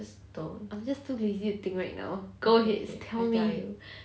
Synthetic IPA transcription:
s | toãɪmd͡ʒastʰuizitut̪ɪ̃ŋkɹaɪk̚na̰ʊɡ̥oɦɛttʰɛlmiju

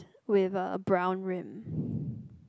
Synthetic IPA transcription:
wɪðəbɹãʊ̃nɹɪ̃m

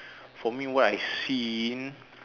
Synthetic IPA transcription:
fɔmiwɔtajsin

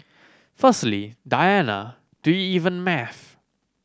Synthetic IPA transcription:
fəstlidajanə̰ | d̥uiivə̃nmɛθ

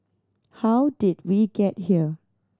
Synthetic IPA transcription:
hawdid̚wiɡɛt̚hiə

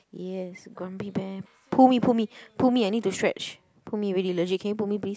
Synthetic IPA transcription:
jɛsɡɹãmbibɛ | pʰumipʰumipʰumiaɪnid̚tustɹɛ̰t͡ʃ | pʰumiɹidiləd͡ʒikʰɛ̃njupumiplis

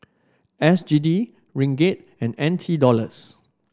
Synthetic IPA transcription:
ʔɛsd͡ʒidi | ɹĩŋɡet̚ | ɛ̃nɛ̃ntʰidɔləs

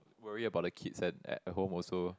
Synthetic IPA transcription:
wəɹiəbaʊt̚dəkʰitsdɛt̚ɛ̰t̚ɦõmɔso

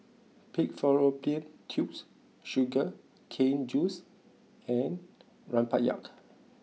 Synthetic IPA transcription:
pik̚fɔɹoplẽntʰjups | ʃuɡə | kʰẽnd͡ʒus | ɛ̃n | ɹãnpat̚ja̰k

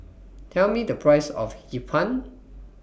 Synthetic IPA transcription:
tʰɛlmidəpʰɹajsɔ̰fhipʰãn

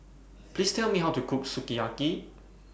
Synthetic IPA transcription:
plistʰɛlˠmiɦawtukʰupsukiaki

